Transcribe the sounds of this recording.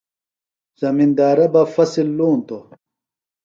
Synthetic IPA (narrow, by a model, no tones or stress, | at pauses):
z̥ɐmind̪aːɾɐbɐfɐsilːuːnt̪o